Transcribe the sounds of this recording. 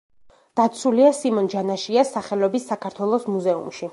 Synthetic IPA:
d̪̥at̪sʰuliasimɔnd͡ʒanaʃiasaχɛlɔbisːakʰaɾt̪ʰwɛlˠɔsmuzɛṵmʃi

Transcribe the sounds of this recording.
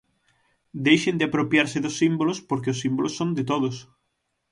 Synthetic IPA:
d̪ejʃend̪ɪapɾopjaɾsɪðʊsːimbolospoɾkeʊsːimbolʔosːõnd̪ɪt̪oðʊs

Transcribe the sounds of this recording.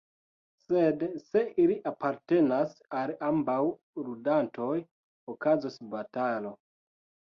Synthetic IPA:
se̞dse̞iliʔapaɾte̞nasalambaw | ɾudanto̞j | okazosbatalo̞

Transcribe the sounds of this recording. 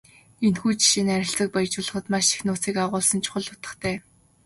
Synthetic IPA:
enxuːt͡ɕʰʃinæɾʲɪ̆ɬt͡sə̆k̚pajt͡ɕʊːɮə̆χə̆t̪maʃi̥xnʊːt͡siːkaʁʊːɮsə̆nt͡ɕʰʊ̥χə̆ɮʊ̥t̪ə̥̆χt̪ʰæː

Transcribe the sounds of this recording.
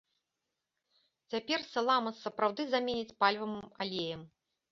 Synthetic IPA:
t͡sʲapʲɛrsɐlˠamɐsɐpɾawd̪ɨzamʲenʲit͡sʲpalʲvɐma̰lʲejɐm

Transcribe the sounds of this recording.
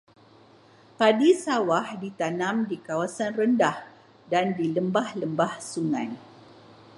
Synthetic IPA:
padisawahdit̪anãmdikawasanrəndah | dandiləmbahləmbahsuŋã̰n

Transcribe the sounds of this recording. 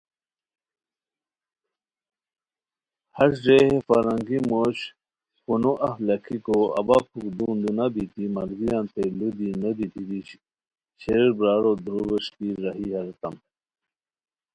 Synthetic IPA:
hɐsʐeːɦefɐɾɐŋɡimoːɕ | punoʔɐflɐkʰikoɐ̰bapʰukd̪und̪unabit̪imɐlɡijant̪elud̪inɐd̪it̪id̪iɕ | ɕeɾbɾaːɾod̪ɾubeʂkiːɾɐɦiɦɐɾt̪ɐm

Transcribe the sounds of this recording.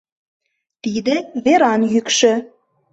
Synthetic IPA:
t̪id̪ɘ̆veɾɑnjykʃɘ̆

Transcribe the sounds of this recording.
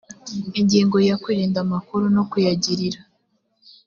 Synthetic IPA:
eɲɟiːŋɡo̞jakwiːɾiːndamakuɾuno̞kujaɟiɾiɾa

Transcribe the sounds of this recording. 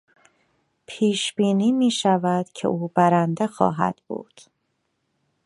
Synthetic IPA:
pʰiːʃb̥iːniːmiːʃævæd̪̥cʰḛʔuːbæɾænd̪exɒ̰ːɦæ̰d̪̥bṵːd̪̥

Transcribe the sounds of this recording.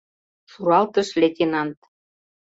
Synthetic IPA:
ʃuɾɑlt̪ə̆ʃlʲet̪ʲinɑnt̪

